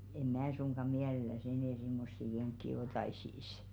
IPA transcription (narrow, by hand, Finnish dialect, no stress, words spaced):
em̆ mæː suŋɡ̊ɑ miælelæs enɛˑ simːosːi keŋkːi otɑisiˑs